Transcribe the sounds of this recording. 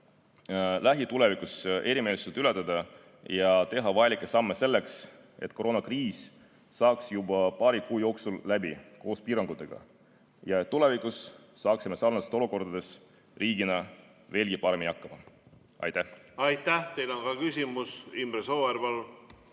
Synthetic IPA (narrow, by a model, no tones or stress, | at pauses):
lʔæɦit̪ule̞vikˑusʔe̞ɾime̞ːliselt̪ylɛ̞t̪ːˑɑd̪ɑ | jɑt̪e̞ɦɑvɑjɑlikːˑesɑmːe̞se̞lːe̞ks | e̞t̪ːˑko̞ɾo̞nɑkriːsː | ɑːksjubɑpɑːɾikuːjo̞ːksulːæbiko̞ːspiːɾɑŋɡ̥ut̪ːˑeɡ̥ɑ̰ | jɑet̪ːule̞vikˑusːɑːksime̞sɑrnɑst̪o̞luko̞rd̪̥ɑd̪̥e̞s | riːɡ̥inɑ | ve̞ːlɡ̥ipɑɾe̞miniɑkːˑɑmɑ | ʔɑ̰jt̪ːæhɑjt̪ːæht̪ejlonɡɑkysʲimusimbɾesoːeɾbɑl